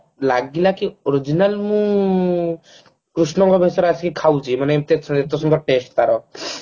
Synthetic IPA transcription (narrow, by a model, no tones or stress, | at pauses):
laɡilakioɾid͡ʒinalmũ | kɾusnɔŋɡɔbʱesɔɾaskikʰawt͡ʃʰimanemt̪eet̪ɔsund̪ɔɾʈesʈ̚t̪aɾɔ